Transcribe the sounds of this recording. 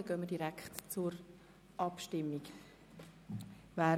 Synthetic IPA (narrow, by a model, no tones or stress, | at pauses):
əɡ̥œːmədiɾɛkχtt͡suɾ | ʔɑpʃtɪmːik | vaː